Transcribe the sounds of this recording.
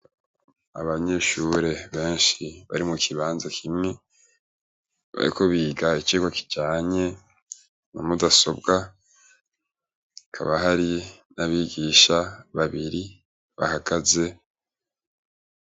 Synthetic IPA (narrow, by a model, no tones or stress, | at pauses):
a̰βaɲe̞ːʃuɾe̞βe̞ːnʃiβa̰ɾimukʰiβaːnzakʰimŋe̞ | βa̰ɾḭko̞βiːɡait͡ʃiːɡoki̥ɟaːɲe̞ | nomudaso̞bɡa | kʰa̰βaɦaɾinaβiːɡiːʃaβaβiɾi | βa̰haɡaze̞